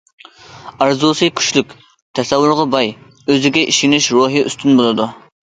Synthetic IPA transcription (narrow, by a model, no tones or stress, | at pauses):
ɑɾzusɨjkʲʰy̥ʃlykʲ | t̪ʰɛsɛwːʊɾʁɑbɑj | øzɪɡʲɛʔiʃinɪʃɾoɦiʔy̰st̪ynbolˠɨd̪u